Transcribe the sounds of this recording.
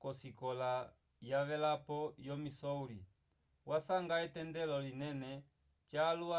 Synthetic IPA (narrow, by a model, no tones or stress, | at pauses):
kɔsikɔla | jaʋɛlapɔjɔmisɔuli | wʔasaŋɡaɛtɛndɛlɔlinɛnɛ | t͡ʃaːlua